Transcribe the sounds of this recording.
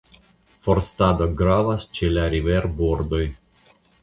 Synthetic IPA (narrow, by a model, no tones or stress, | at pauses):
fo̞ɾstado̞ɡɾavast͡ʃelaɾive̞ɾboɾd̪o̞j